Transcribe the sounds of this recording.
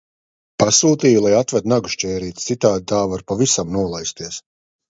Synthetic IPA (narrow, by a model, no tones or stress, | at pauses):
pasuːt̪iːjlˠajat̪vɛt̪naɡu̥ʃt͡ʃʲɛːɾiːt̪t̪sit̪aːd̪̚t̪aːvaɾpavisamnuɔlˠajst̪iɛs